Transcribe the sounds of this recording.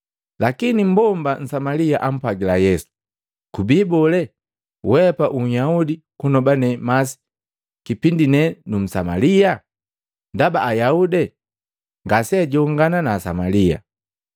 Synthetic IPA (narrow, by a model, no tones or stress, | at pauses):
lakinim̩bɔmban̩samaliaʔam̩pwaɡilajɛsu̥ | kubibɔlɛ | wɛpaʔuɲjaudi | kunɔbanɛmasi̥ | kipindinɛnum̩samalija | ndabaʔajaudɛ | ŋɡasɛɟɔŋɡananaːsa̰malia̰